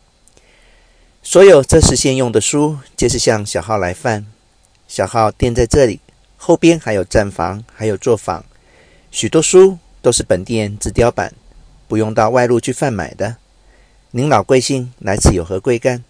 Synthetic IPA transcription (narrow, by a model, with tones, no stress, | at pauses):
swɔ˧˥jo˨˩ʊʈ͡ʂɤ˥˧ʂɻ̩˧˥ɕjɛ˥˧njʊ˥˩ŋd̪ə˩ʂu˥t͡ɕjɛ˥˧ʂ̬ɻ̩˥˧ɕjɑ˥˧ŋɕjɑ˨˩ʊxɑ˥˩ʊla˧˥ɪfa˥˩n | ɕjɑ˨˩ʊxɑ˥˧ʊt̪jɛ˥˧nt͡sa˥˧ɪʈ͡ʂɤ˥˩lḭ˨˩ | xo˥˩ʊpjɛ˥nxa˧˥jo˨˩ʊʈ͡ʂa˥˩nfɑ̰˧˥ŋxa˧˥ɪjo˨˩ʊt͡swɔ˥˩fɑ̰˧˥˦ŋ | ɕy˨˩t̪wɔ˥ʂu˥ | t̪o˥ʊʂɻ̩˥˩pə˨˩nt̪jɛ˥˧nt͡sɹ̩˥˩t̪jɑ˥ʊpa̰˨˩˦n | pu˧˥jʊ˥˧ŋt̪ɑ˥˧ʊwa˥˧ɪlu˥˧t͡ɕʰy˥˧fa˥˩nma̰˨˩ɪd̪ə˦ | ni˧˥ŋlɑ˨˩ʊkwe˥˧ɪɕi˥˩ŋla˧˥ɪt͡sʰɹ̩˥˩jo˨˩ʊxɤ˧˥kwe˥˧ɪka˥˩n